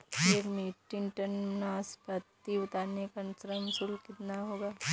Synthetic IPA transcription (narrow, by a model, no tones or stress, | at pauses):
eːkmeːʈːiŋʈənːaspɐt̪ːiʊt̪aːɾnekɐnsɾəmsulkɪt̪naɦoːɡaː